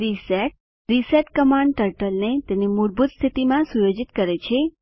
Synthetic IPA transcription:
ɾiseʈ̚ | ɾiseʈkəmaɳɖʈəɾʈəlnet̪enimuɾbut̪st̪ʰit̪imãsujod͡ʒit̪kəɾet͡ʃʰe

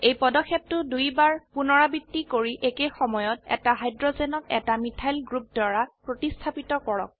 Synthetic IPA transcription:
ejpɔdɔkʰːep̚tʊdujbaɹpunɔɹabitːikoɹiʔekejxɔmɔjɔt̚ɛ̰taɦajdɹɔzɛnɔkɛtamitʰajlɡɹup̚dwaɹapɹotistʰapitɔkɔɹɔ̰k̚

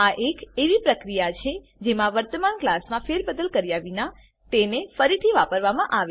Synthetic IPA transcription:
aʔekeʋipɾəkɾijat͡ʃʰe | d͡ʒemãʋəɾt̪əmanklasmãfeɾbəd̪əlkəɾijaʋina | t̪enefəɾit̪ʰiʋapəɾʋamãʔaʋ

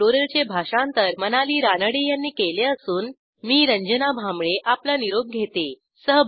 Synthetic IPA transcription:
oɾəlt͡ɕebʱaɕãnt̪əɾmənaliːɾanəɽejanːiːkeleəsuːn | miːɾəɲd͡ʑənabʱamɭeʔaplaniɾoɡ̚ɡʱet̪e | səɦb

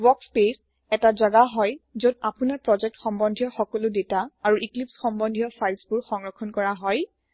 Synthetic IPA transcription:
wɔkspes | ɛtazaɡaɦɔjzodapunaɹpɹɔzɛk̚txɔmbɔndʱijɔxɔkɔlʊdetaaɹuʔiklipsxɔmbɔndʱijɔfʰajlsbʊɹxɔŋɹɔkʰːɔnkɔɹaɦɔj

